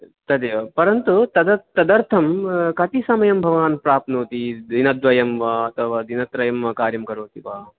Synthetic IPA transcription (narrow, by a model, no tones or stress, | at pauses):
t̪ɐd̪eʋɐpɐɾɐnt̪ut̪ɐd̪ɐt̪ːɐd̪ɐɾt̪ʰɐmkɐt̪isɐmɐjɐmbʱɐʋaːnpɾaːp̚t̪noːt̪id̪inɐd̪ʋɐjɐmʋaːɐt̪ʰɐʋaːd̪inɐt̪ɾɐjɐmʋɐkaːɾjɐmkɐɾoːt̪iʋaː